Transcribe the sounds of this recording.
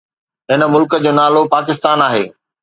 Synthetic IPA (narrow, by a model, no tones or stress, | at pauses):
ɦɪnə̆mʊlkəd͡ʑoːnaːlopaːkɪst̪aːnaːɦḛː